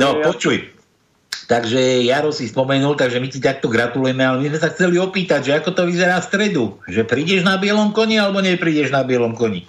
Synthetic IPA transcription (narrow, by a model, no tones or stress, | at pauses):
nɔpɔt͡ʃuj | t̪aɡʒɛjaɾɔsispɔmɛnuːlt̪aɡʒɛmicit̪ak̚t̪ɔɡɾat̪ulujɛmɛalɛmizmɛsaxt͡sɛliɔpiːt̪aɟʒɛakɔt̪ɔʋizɛɾaːfst̪ɾɛd̪u | ʒɛpɾiːɟɛʒnabɪɛlɔmkɔɲɛalɛbɔɲɛpɾiːɟɛʒnabiɛlɔmkɔɲi